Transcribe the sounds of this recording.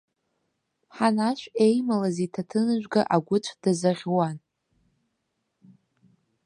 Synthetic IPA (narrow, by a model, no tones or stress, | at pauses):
ħanaʃʷᶣe̞jmalazitʰatʰɨnɨʒʷᶣɡaʔaɡʷʊt͡ʃʷʰd̥azaʁʲwan